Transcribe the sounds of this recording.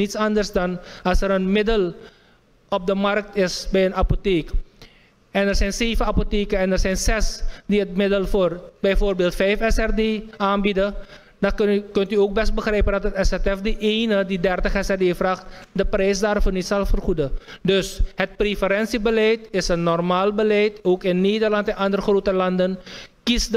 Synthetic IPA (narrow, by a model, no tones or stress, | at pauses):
nitsɑndərsdɑnɑlˠsɛɾənmɪdəl | ɔp̚dəmɑrk̚tɪsbɛjənɑpoteːk | ɛnərsɛjnseːvəapoteːkəɛnərsɛjnzɛsdiɦət̚mɪdəlfoːrbɛjvoːrbeːlˠtfɛjfɛsɛrdeːaːnbidə | dɑkɵntyoːk̚bɛst̚bəχrɛjpəndɑtɦətɛsɛtɛfdiʔeːnədidɛrtəχɛsɛrdeːfraːχtdəprɛjsdaːɾfoːrnitsɛlfərχudə | dɵsɦət̚prefəɾɛnsibəlɛjtɪsənːɔrmaːlbəlɛjtoːkɪnːeːdərlɑntɛnɑndərəχroːtəlɑndənkisd